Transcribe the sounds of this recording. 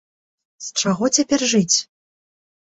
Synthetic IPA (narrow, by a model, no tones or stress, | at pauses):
st͡ʂaɣɔt͡sʲapʲɛrʐɨt͡sʲ